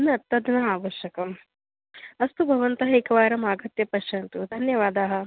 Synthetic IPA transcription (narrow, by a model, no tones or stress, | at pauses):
niɐt̪ːɐd̪nɐaːʋɐʃjɐkɐm | ɐst̪ubʱɐʋɐnt̪ɐɦɐikɐʋaːɾɐmaːɡɐt̪jɐpɐʃɐnt̪ud̪ʱɐnjɐʋaːd̪aːɦɐ̆